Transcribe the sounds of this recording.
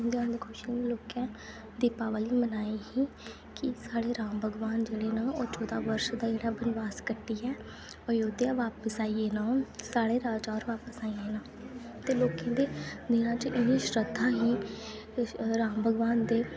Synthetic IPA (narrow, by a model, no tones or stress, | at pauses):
nd̪eãːnd̪eːkʰʊʃiːnːloːkãː | d̪iːpaːʋaːliːmənaːiːɦiː | kɪsaːɽeːɾaːmbʱəɡʋaːnd͡ʒeːɽeːnaːoːt͡ʃɔːd̪aːʋəɾʃd̪aːd͡ʒeːɽaːbənʋaːskəʈːiːɛː | əjoːd̪eãːʋaːpəsaːiːeːnãːsaːɽeːɾaːd͡ʒaːɾʋaːpəsaːiːenãː | t̪eːloːkẽːd̪eːd̪ɪnãːt͡ʃʔɪnĩːʃɾəd̪ʰʱãːɦiː | ɾaːmbʱəɡʋaːnd̪eː